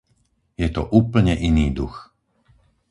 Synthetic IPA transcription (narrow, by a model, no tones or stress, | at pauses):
jɛt̪ɔ̰ʔuːpl̩ɲɛʔiniːd̪ux